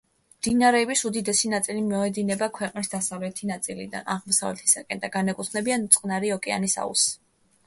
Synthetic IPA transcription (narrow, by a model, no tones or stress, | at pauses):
md̪̥inaɾɛːbisud̪id̪ɛsinat̪sʼilimiɔɛd̪inɛbakʰwɛqʼnisd̪asavlɛt̪ʰinat̪sʼilḭd̪a̰naʁmɔsa̰vlɛt̪ʰi̥sakʼɛnd̪aɡanɛkʼut̪ʰχnɛbiant̪sʼqʼnaɾiɔkʼɛa̰nisa̰ṵs